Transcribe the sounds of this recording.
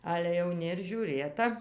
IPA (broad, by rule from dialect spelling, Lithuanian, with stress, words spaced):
ɐlʲɛ jɛʊˈnʲɪ ɪr ʒʲuːˈrʲeːtɐ